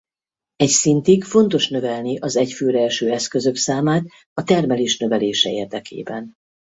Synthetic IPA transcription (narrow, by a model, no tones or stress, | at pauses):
ɛcsint̪iɡfo̞nt̪o̞ʃnø̞vɛlniʔɒzɛcføːɾɛlʃøːɛskø̞zø̞ksaːmaːt̪ | ɒt̪ɛrmɛleːʃnø̞vɛleːʃɛeːrd̪ɛkḛːbɛn